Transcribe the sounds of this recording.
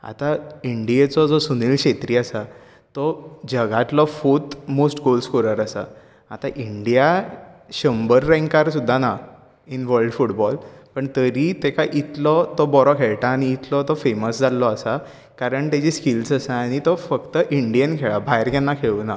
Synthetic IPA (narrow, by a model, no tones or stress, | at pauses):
a̰t̪aiɳɖiet͡sɔd͡zɔsuniːlɕet̪ɾiːasa | t̪ɔd͡ʑəɡat̪lɔfot̪mosʈɡolskoɾəɾəsa̰ | at̪aʔiɳɖijaɕəmbəɾːɛ̃ŋkaɾsud̪ʱːana | inʋəɾɖfuʈbɔlpəɳt̪əɾit̪ekaʔit̪lɔt̪ɔbɔɾɔkʰeɭʈaːɽ̃iːt̪lɔt̪ɔfeməsd͡zʱalːɔəsa | kaɾəɳt̪ed͡ʑiskilsəsaːɽ̃it̪ɔfəkt̪əʔiɳɖijənkʰeɭabʱajɾkanːakʰeɭuna